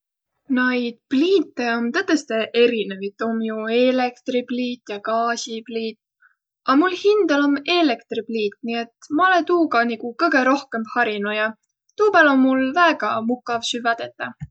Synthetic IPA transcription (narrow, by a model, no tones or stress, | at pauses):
nɑjd̪̥pliːt̪ːeo̞mt̪ɤt̪ːest̪eʔe̞ɾine̞vit̪ːˑo̞mjuelekt̪ripliːt̪ˑjɑkɑːsipliːt̪ˑ | ʔɑmulhind̪̥ɑlo̞me̞le̞kt̪ripliːt̪ˑniet̪mɑolet̪uːkɑnikukɤɡ̥e̞ɾo̞hke̞mbhɑɾinujɑ | t̪uːpælo̞mːulvæeɡ̥ɑmukˑɑvsyvɑd̪̥et̪ːˑɑ